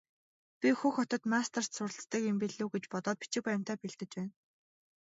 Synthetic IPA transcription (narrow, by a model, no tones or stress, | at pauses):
pʲixuxɔt̪ɞ̆t̪mast̪ʰər̥t̪sʊrɮt͡st̪ə̆kimpiɮuːɡet͡ɕpɔt̪ɔːt̪̚pi̥t͡ɕɪ̆k̚pæj̆m̥t̪æːpeɮt̪ɘ̆t͡ɕpæːn